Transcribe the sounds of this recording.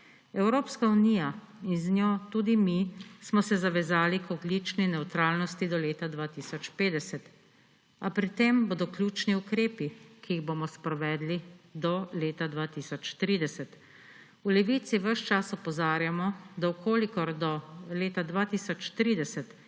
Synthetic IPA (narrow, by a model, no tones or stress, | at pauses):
ɛwɾoːpskaunija | inznjoːt̪uːd̪imismɔsɛzaʋɛzaːlikɔɡlit͡ʃninɛwt̪ɾaːlnɔst̪id̪ɔleːt̪ad̪ʋaːt̪isɔt͡ʃpeːd̪ɛsɛt̪ | apɾit̪emboːd̪ɔklʲjuːt͡ʃniukɾeːpikiːɣboːmɔspɾɔʋɛːd̪lid̪ɔleːt̪ad̪ʋaːt̪isɔt͡ʃt̪ɾiːd̪ɛsɛt̪ | ulɛʋiːt̪siʋəʃt͡ʃasɔpɔzaːɾjamɔd̪awkʰoːlikɔɾd̪ɔleːt̪ad̪ʋat̪iːsɔt͡ʃt̪ɾiːd̪ɛsɛt̪